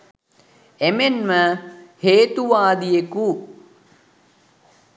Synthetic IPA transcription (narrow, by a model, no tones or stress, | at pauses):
emenməheːt̪uʋaːd̪ijeku